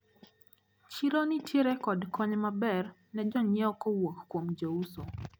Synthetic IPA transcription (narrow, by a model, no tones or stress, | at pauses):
t͡ʃiɾonitjeɾekɔdkɔɲmabɛr | nɛd͡ʒɔɲɛɔkowokkːwomd͡ʒauso